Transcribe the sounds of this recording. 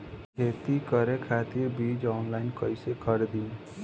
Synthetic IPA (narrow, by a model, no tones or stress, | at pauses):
kʰet̪ikəɾekʰat̪iɾbʱid͡ʒɔːnlaɪnkəjsekʰʌɾd̪ĩn